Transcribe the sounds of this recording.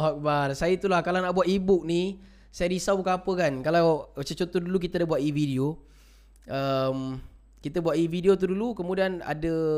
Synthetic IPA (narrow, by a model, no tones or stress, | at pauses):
ɦɔk̚barsajait̪ulahkalawnaʔbuat̪ibʊk̚ni | sajadisabukaapəkankalawt͡ʃət͡ʃot̪oduluk̬it̪adabuat̪ividio | əm | kit̪abuat̪ividiot̪̬udulukəmudiana̰də